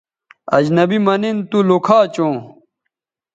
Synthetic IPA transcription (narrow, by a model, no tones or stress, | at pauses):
ɐd͡ʑnɐbimɐnint̪ulokʰaːt͡ɕõː